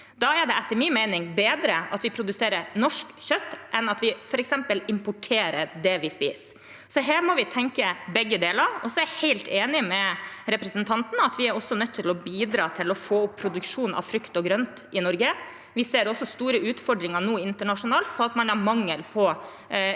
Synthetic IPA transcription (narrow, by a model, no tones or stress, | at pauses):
d̪ɑɛɖɛæt̪ːəɾmiːnmæɪnɪŋbeːd̪ɾəɑt̪ʋɪpʰɾʊd̪ʉseːɾəɾnɔʂkçœt̪ːʔɛnɑt̪ʋɪfɔɾɛksɛmpəlɪmpʊʈʰeːɾəɾd̪ɛʋɪspḭːs | sɔɦæːɾmɔʋɪt̪ʰɛŋkəbɛɡːəd̪eːlɑɾɔ̰sɔæheɪlt̪ʰeːnɪmɛɾɛpɾəsənt̪ʰɑnt̪ənəɑt̪ʋɪæɾɔsːɔnœt̪ʰːɪlɔbiːd̪ɾɑːt̪ʰɪlɔfoːʊpʰːɾʊd̪ʉkʂuːnʔɑ̰ʋfɾʏkt̪ɔɡɾœnt̪ | ɪnɔɾɡə | ʋɪseːɾɔsːɔst̪uːɾəʉːt̪fɔɖɾɪŋəɳuːɪnt̪əɳɑʂʊnɑːlt̪̚pʰɔɑt̪mɑnhɑɾmɑŋːəlpʰɔ